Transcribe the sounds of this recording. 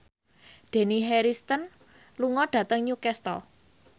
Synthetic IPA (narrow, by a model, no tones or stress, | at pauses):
d̪̥e̤niɦɛɾist̪ən | luŋɔɖ̥ä̤t̪əŋɲukɛst̪ɔ̰